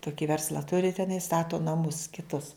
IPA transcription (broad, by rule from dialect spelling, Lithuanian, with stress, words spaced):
ˈtʊkʲɪ ˈʋʲɛrslˠɐ tʊrʲɪ tʲɛˈnɐɪ ˈstɑːtoː nɐˈmʊs kʲɪˈtʊs